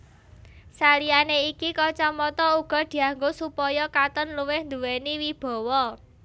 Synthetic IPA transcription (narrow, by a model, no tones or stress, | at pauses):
salianeikikɔt͡ʃɔmɔt̪ɔuɡ̥ɔ̤d̪̥i̤aŋɡosupɔjɔkat̪ənluwɪhnd̪uwɛniwib̥ɔ̤wɔ